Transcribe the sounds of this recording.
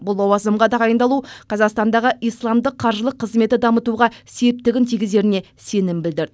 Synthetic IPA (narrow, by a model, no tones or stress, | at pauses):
bʊlˠowɑzəmʁɑd̪ɑʁɑjənd̪ɑlˠuqʰɑzɑqst̪ɑnd̪ɑʁəʔijslˠɑmd̪əqʰːɑɾʒəlˠəqʰːəzme̞t̪ɪd̪ɑmət̪uʁɑse̞p̚t̪ɪɡʲɪnt̪ʰijɡʲɪze̞ɾɪne̞ | se̞nɪmbɪld̪ɪɾd̪ɪ